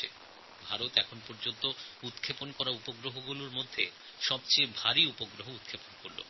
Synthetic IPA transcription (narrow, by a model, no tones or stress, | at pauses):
ḛ | bʱaɾot̪ɛkʰonpoɾd͡ʑont̪out̪kʰeponkɔɾaupoɡɾoɦoɡuloɾmod̪ʱːe | ʃɔbt͡ɕejbʱaɾiupoɡɾoɦout̪̚kʰeponkoɾlo̰